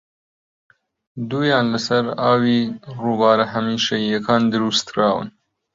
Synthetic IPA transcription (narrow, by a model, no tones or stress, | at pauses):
d̪ujɑːnlasaɾɑːwiɾubɑːɾaɦamiʃajakɑːnd̪ɪɾust̪ɾɑːwə̰n